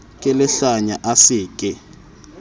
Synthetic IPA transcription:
kʼɛlɛɬaɲaʔasɪːkʼɛ

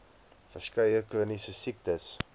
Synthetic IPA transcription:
fərskɐjəkənisəsik̚təs

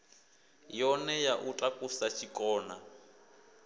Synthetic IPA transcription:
jɔnɛjaʔutʼakʼusat͡ʃʰʼikʼɔːna

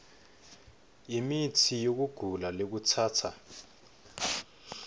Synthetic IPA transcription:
imitʰijok̬uɡ̥ʱulalek̬ut͡sʰaːtʰa

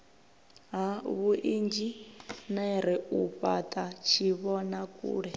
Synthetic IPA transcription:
ɦaβuʔind͡ʒinaiɾɛuɸatʼat͡ʃʰiβɔnakʼṵːɺɛ

